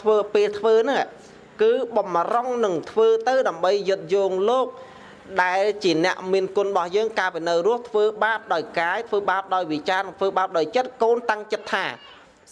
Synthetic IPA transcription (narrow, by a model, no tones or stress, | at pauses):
t̪ʰʋəːpeːlt̪ʰʋəːnɨŋ | kɨːɓɑmroŋnɨŋt̪ʰʋəːt̪ɨwɗaəmɓəjːɨt̪̚joːŋloːk̚ | ɗaɛlt͡ɕiənɛ̆əʔmiənkʊ̆ənɓɑhjəːŋkaːəpiːnɨwrʊ̆əht̪ʰʋəːɓaːp̚ɗaɔjkaːjt̪ʰʋəːɓaəp̚ɗaɔjʋit͡ɕaːnɨŋt̪ʰʋəːɓaəp̚ɗaɔjt͡ɕət̪̚koːnt̪aŋt͡ɕət̪ʰːaː